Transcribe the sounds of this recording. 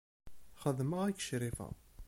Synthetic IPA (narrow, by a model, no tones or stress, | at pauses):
χəðməʁækːə̥ʃɾifæ̰